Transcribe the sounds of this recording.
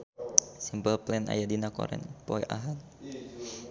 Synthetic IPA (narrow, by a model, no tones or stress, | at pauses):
simpəlplɛna̰jadinakɔ̰ɾɛ̰npɔɛ̰ʔaɦan